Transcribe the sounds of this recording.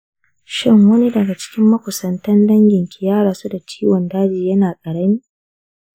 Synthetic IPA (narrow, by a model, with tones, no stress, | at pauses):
ʃɪ˦ŋwɐ˦ni˦dɐ˨ɡa˨t͡ʃɪ̥˦kʲɪ˦mːɐ˦kʷʊ˨sɐ˨ntɐ˦ndɐ˦ŋɡʲɪ˨ŋkʲi˨jaː˦ɽaː˨su˦da˨t͡ʃi̥ː˦wɔ˨ndaː˦d͡ʒiː˨jɐ˦naː˨kʼɐ˨ɽɐ˦niː˦